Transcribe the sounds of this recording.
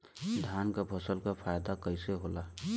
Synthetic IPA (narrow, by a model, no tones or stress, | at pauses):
d̪ʱjankabʰʱəsəlkapʰajd̪akəseɦola